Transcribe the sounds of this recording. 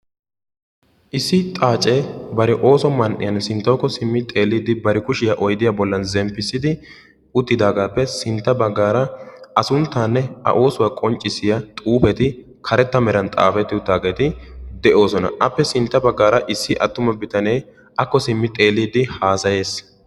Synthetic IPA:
ʔɪsːɪt̪ʼaːt͡ʃʼeːbɐɾɛʔo̞ːsɔmɐnʔɪ̰jɐnsɪnt̪ːɔwkːɔsɪmːɪt̪ʼe̞ːlːiːd̪ɪbɐɾɪkʊʃɪjɐʔɔjd̪ɪjabɔlːɐnzɛmpːɪsːɪd̪ɪ | ʊt̪ːɪd̪aːɡaːpːɛsɪnt̪ːɐbɐɡːaːɾɐɐsʊnt̪ːaːnːɛɐ̰ʔo̞ːsʊwakʼɔnt͡ʃʼːɪsɪjɐt̪ʼuːpɛt̪ɪ | kʰɐɾɛt̪ːɐmɛɾɐnt̪ʼa̰ːfɛt̪ːɪʊt̪ːaːɡeːt̪ɪd̪ɛʔo̞ːsɔnɐ̰ʔɐpːɛsɪnt̪ːɐbɐɡːaːɾɐʔɪsːɪʔɐt̪ːʊmɐbɪt̪ɐnej | ɐkːɔsɪmːɪt̪ʼe̞ːlːiːd̪ɪhaːsɐje̞ːs

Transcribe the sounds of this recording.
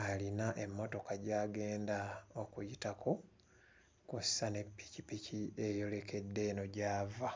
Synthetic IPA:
alinaʔe̞mːo̞to̞kaɟaːɡe̞ːndao̞kujitakʰo | kusːane̞pːi̥cipiciejo̞le̞kʰe̞dːe̞no̞ɟaːva

